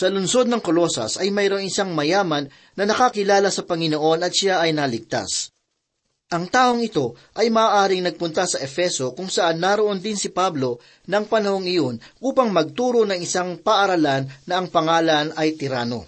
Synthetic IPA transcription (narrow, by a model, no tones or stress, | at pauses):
sɐlʊnso̞d̪̚nɐŋko̞lo̞sɐ̰sɐjmɐjɾo̞ŋɪsaŋmɐjaːmɐnː | ɐnɐkakɪlaːlɐsɐpɐŋɪno̞ʔo̞nɐt̪̚ʃɪaʔɐjnɐlɪɡ̚t̪a̰s | ʔɐŋt̪aːho̞ŋɪt̪o̞ | ʔɐjmɐaːʔaːɾɪŋnɐɡ̚pʊnt̪ɐsɐʔɛfɛso̞kʊŋsɐʔanːaɾoʔo̞nd̪ɪnsɪpablo̞ | nɐŋpɐnɐho̞ŋɪjo̞nʔuːpɐŋmɐɡ̚t̪uːɾo̞nɐŋɪsaŋpɐʔɐɾɐlanːɐɐŋpɐŋaːlɐnɐjt̪ɪɾaːno̞̰